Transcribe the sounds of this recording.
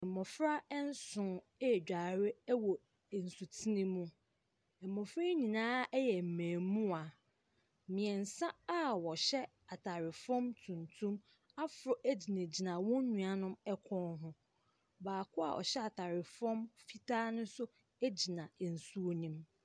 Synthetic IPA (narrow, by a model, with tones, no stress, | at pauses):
ɛ̃˨mɔ˨fɾa˦ɛ˦n̩˦sʊ̃˨˦˨ | d͡ʑᶣa˨ɾɪ˦wɔ˨ | n̩˨su˨tʰi˦nĩ˦mũ˦ | ɛ˨mːɔ̃˨fɾa˦ɲĩ˨nãː˦ɛ˦jɛ˨m̩˨mæ̃ː˨mũ˦a˨ | mĩ˨ɛ˨n̩˨sã˦a˦wɔ˨ɕɛ˦ | a˨tʰa˨ɾɪ˨fɔ̃˦mtʰũ˨ntʰũ˦m | a˦fʊ˨ɾɔ˨ʔæ˦d͡ʑi˨nẽ˨d͡ʑi˨nã˨wɔ̃˦ɲũ˨a˨nʊ̃˦mɛ˦kʷʰɔ̃˦nɦʊ̃˦ | baː˨kʰʊ˦a̰˨ʔɔ̰˨ɕɛ˦a˨tʰa˨ɾɪ˨fɔ̃˦mfi˦tʰaː˦nʊ̃˦sʊ˦ | æ˦d͡ʑi˨nã˨n̩˨su˦o˦nĩ˦m